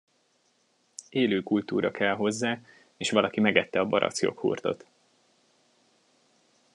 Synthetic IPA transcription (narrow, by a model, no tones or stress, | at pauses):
eːløːkult̪uːɾɒkʰɛlɦo̞zːaː | eːʃʋɒlɒkimɛɡɛt̪ːɛɒbɒɾʔɒ̰t̪sjo̞̰khṵrt̪o̞̰t̪